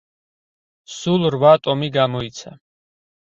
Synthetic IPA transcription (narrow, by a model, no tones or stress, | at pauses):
sulˠɾvat̪ʼɔmiɡamɔit̪sʰa̰